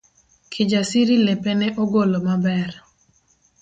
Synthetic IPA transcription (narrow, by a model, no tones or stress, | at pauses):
kʰɪd͡ʒasɪɾilepɛnɛʔɔɡolomabɛr